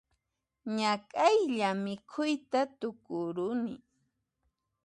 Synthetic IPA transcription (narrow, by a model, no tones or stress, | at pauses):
ɲakʼajʎamɪkʰʊjt̪at̪ʊkʊɾʊnɪ